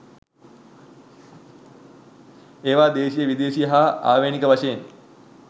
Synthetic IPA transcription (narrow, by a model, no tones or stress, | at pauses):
eːʋaːd̪eːʃijəʋid̪eːʃijəɦaːa̰ːʋeːnikəʋaʃejen